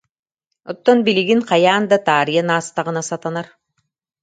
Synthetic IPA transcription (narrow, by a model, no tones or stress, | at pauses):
ɔt̪ːɔnbiliɡinqajaːnd̪at̪aːɾijanaːst̪aʁɯnasat̪anaɾ